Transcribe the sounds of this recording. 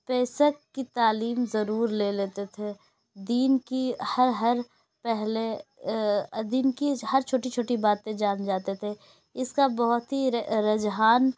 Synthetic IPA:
pɛːsəkːit̪aːliːmzɐɾuːɾleleːt̪et̪ʰe | d̪iːnkihɐɾɦɐɾ | pɛɦle | d̪iːnkihɐɾt͡ʃʰoːʈit͡ʃʰoːʈibaːt̪ẽd͡ʒaːnd͡ʒaːt̪et̪ʰe | ɪskabɐɦʊt̪ɦiɾɐd͡ʒɦaːn

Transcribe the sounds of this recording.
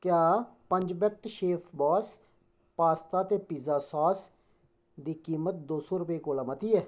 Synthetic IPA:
kjaːpəɲd͡ʒbɛk̚ʈʃeːpʰbɔːs | paːst̪aːt̪eːpiːzaːsɔːs | d̪iːkiːmət̪̚d̪oːsoːɾʊpiːkoːlaːmət̪iːɛː

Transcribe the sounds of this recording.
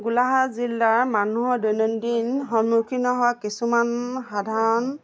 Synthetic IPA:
ɡulaɦazilːaɹmanuɦɔɹdɔjnɔndinɦɔnukʰinɔɦɔwakisumanxadʱaɹɔn

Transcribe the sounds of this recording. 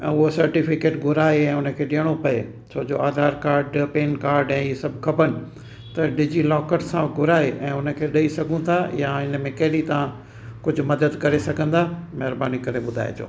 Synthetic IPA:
ɛ̰̃ːʊɦosɐɾʈɪfɪkeːʈɡʱʊɾaːeɛ̃ːʊnə̆kʰeːɗɪəɽ̃opɐeː | sʰoːd͡ʑoaːd̪ʱaːɾkaːɾɖpeːnkaːɾɖɛ̃ːisɐbʱkʰɐbənɪ̆ | t̪ɐɖɪd͡ʑilɔːkəʈsãɡʱʊɾaːeʔɛ̃ːʊnə̆kʰeːɗɐisɐɡʱũt̪ʰajaɪnəmẽkɐɦɪɾit̪ɐʋã | kʊd͡ʑʱʊ̆mɐd̪əd̪kɐɾesɐɡʱə̃nd̪aːmɐɦɾbaːnikɐɾeɓʊd̪ʱa̰ːḛd͡ʑo̰ː

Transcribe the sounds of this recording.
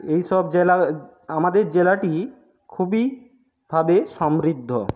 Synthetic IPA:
ejʃɔbd͡ʑela | amad̪eɾd͡ʑelaʈi | kʰubi | bʱabeʃɔmɾid̪ʱːo

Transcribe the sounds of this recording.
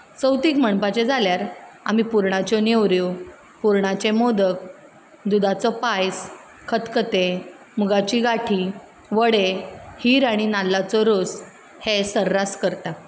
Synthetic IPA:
t͡səwt̪iːkməɳpat͡ɕed͡zʱaljaɾa̰mipuɾɳat͡ɕɔnewɾjo | puɾɳat͡ɕemod̪ək | d̪ud̪at͡sɔpajs | kʰət̪kət̪e | muɡat͡ɕiɡaʈʰi | ʋəɽehiɾaɽ̃inalːat͡sɔɾos | hesəɾːaskəɾt̪a

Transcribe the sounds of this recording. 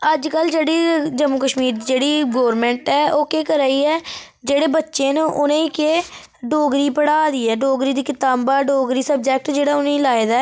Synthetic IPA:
əd͡ʒkəld͡ʒeːɽiːd͡ʒəmːukəʃmiːɾd͡ʒeːɽiːɡoːɾmɛ̃ːɳʈɛːʔoːkeːkəɾaːiːɛː | d͡ʒeːɽeːbətːʃeːnũʔʊnẽːiːkeː | ɖoːɡɾiːpəɽaːd̪iːɛːɖoːɡɾiːd̪iːkɪt̪aːbbaːɖoːɡɾiːsəb̚d͡ʒɛːk̚ʈd͡ʒeːɽaːʊnẽːiːlaːeːd̪aː

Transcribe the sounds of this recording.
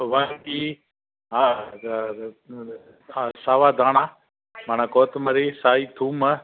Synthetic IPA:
ʋəŋkiː | ɦaː | saːʋaːd̪ʱaːɳaː | maːnãkoːt̪mɐɾeːsaːiːt̪ʰuːmə

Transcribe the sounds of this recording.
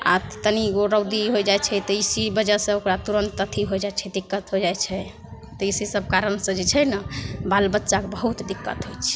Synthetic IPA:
a̰t̪əniɡoɾəwd̪iɦojd͡ʒajt͡ʃʰɛt̪ɔisibəd͡ʒɛsə̃okɾat̪uɾənt̪ːət̪ʰiɦojd͡ʒajt͡ʃʰɛd̪ikːət̪ɦod͡ʒajt͡ʃʰɛ | t̪ɔisisəb̚ʱkaɾənsə̃d͡ʒet͡ʃʰɛnəbalbətːʃakebəɦut̪d̪ikːət̪ɦojt͡ʃʰɛ̥

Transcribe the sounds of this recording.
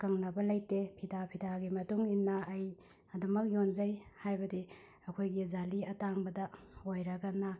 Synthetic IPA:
kɐŋnɐbɐlɐjtepʰidapʰidaɡimɐtuŋinːɐːj | ɐdumɐk̚jonzɐjhajbɐdi | ɐkʰojɡizaliɐtaŋbɐdɐojɾɐɡɐnɐ

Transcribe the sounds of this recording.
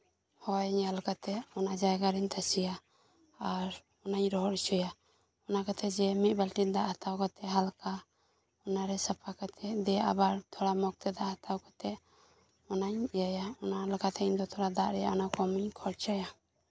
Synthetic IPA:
hɔjɲalkat̪ɛʔɔnad͡ʒajɡaɾint̪ʰasijaː | ɾ | ɔnaɲɾɔɦɔɾt͡ʃɔja | ɔnakat̪ʰɛd͡ʒɛmit̪̚ˀbɛlʈid̪aʔhat̪ʰawkat̪ɛɦalka | ɔnaɾɛsapʰakat̪ʰɛd̪ɛʔa̰baɾt̪ʰɔɽamɔk̚t̪ʰɛd̪aʔhat̪ʰawkat̪ɛʔ | ɔnaɲjajaɔnalkat̪ʰɛind̪ɔt̪ʰɔɽad̪aʔɾɛja̰ɔnakɔmiɲkʰɔɾt͡ʃaja

